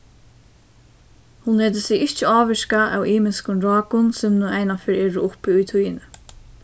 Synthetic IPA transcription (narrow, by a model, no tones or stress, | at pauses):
hʊnlɛːt̪ɪsɪɣɪht͡ʃɪɑːʋɪʃkaʔa̰wʔiːmɪskʊnɾɑːkʊnsɛmnuɛjnafɪːɾɛːɾʊʊpɪʊjt̪ʰujɪnɪ